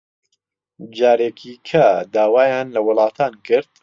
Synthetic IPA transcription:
d͡ʒaːɾeːkʰikʰɐd̪aːwaːjaːnlɐwʊlˠɑːt̪ʰaːnkʰɨɾd̪̚

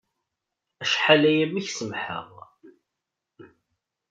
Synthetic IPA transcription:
æʃħalæjæmiçsəmħə̰ʁ

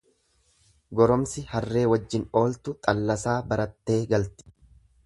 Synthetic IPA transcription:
ɡɔɾɔmsɪhɐrːe̞ːwɐd͡ʒːɪno̞ːlt̪ʊt̪ʼɐlːɐsaːbɐɾɐt̪ːe̞ːɡɐlt̪ɪ̥

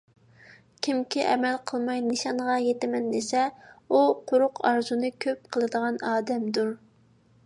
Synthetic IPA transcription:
kʲʰimkʲʰiʔɛmɛlqʰəlˠmɑjnɨʃɑɴʁɑjet̪ɪmɛnːɪsɛuqʰʊɾʊqɑɾzunɨkʲʰøp̚qʰəlˠɨd̪əʁɑnɑːd̪ɛmd̪uɾ

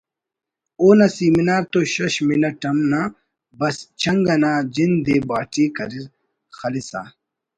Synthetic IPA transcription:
oːnɐsiːminaːɾt̪oɕɐɕminɐʈɐmna | bɐst͡ɕʰɐŋɡɐnaːd͡ʑind̪eːbaːʈiːkɐɾiz | xɐlisa̰ː

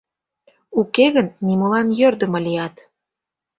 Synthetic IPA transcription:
ukeɣənːimolɑnjørd̪ə̆mɤ̆lijɑt̪

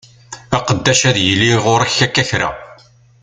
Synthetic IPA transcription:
æqəd̪ːæʃæðjəlːiʁʊɾæçækːæçɾæ̰

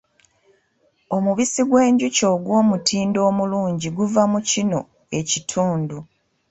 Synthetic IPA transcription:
o̞muβisiɡwe̞ːɲɟuco̞ɡwo̞ːmutʰiːndo̞ːmuluːɲɟiɡuvamucino̞ | e̞citʰuːndu

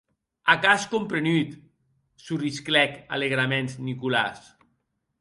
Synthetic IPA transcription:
akaskompɾenyt̪ | surisklɛka̰leɣɾamenznikula̰s

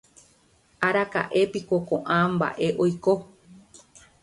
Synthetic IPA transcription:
aɾaka̰ʔe̞pikokõʔãmba̰ʔe̞ʔojko

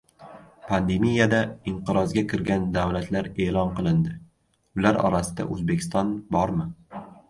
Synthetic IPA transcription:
pʰand̪e̞mijad̪aɪɴqɨɾɒzɡʲakʲʰɪɾɡʲand̪awlat̪ʰlaɾe̞ːlɒnqɨlˠɪnd̪ɪ | ʊlaɾɒ̰ɾasɪd̪a̰ʔɵ̰zbe̞kʲɪ̥st̪ɒnbɒɾmɪ

